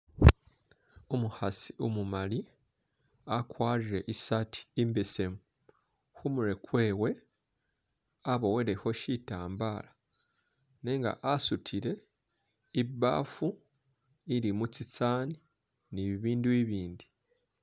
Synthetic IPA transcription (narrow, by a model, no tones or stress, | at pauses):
omuhasiumumaɾi | akwaːɾiɾe̞ʔisatʰi̥imbese̞mu | humuɾe̞kwe̞ːwe | aβowe̞ɾeho̞ʃitaːmbaːɾa | neːŋɡa̰ʔasutʰiɾe̞ | iba̰ːfu | iɾimut͡sit͡saːni | niβiβiːnduiβiːndi